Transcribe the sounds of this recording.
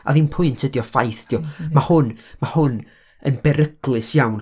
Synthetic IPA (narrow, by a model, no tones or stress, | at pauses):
a̰ðinpʰʊɨntʰədjɔfajθd̥jɔmahʊnmahʊn | ənbɛɾəɡ̥lˠɨsjawn